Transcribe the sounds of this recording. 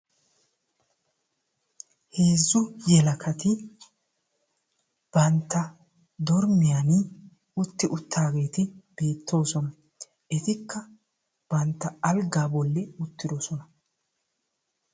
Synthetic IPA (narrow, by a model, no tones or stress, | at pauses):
heːzːʊjɛlɐkʰɐt̪ɪ | b̥ɐnt̪ːɐ | d̪ɔɾmɪjanɪ | ʊt̪ːɪʔʊt̪ːaːɡe̞ːt̪ɪb̥e̞ːt̪ʰːo̞ːsɔnɐ | ʔɪt̪ɪkːɐ | b̥ɐnt̪ːɐɐlɡaːbɔlːɛʊt̪ːɪd̪ɔsɔnɐ